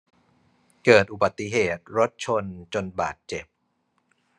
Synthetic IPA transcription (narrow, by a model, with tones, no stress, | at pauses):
kɤː˨˩t̪̚ʔu˨˩ba˨˩t̪ːi˧˨ɦeː˨˩t̪̚ɾo˦˥t̪̚t͡ɕʰo˧nt͡ɕo˧nba̰ː˨˩t̪̚t͡ɕe˨˩p̚